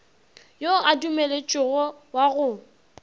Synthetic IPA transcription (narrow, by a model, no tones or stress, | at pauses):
joadumelet͡ʃʼɪɣɔwaɣʊ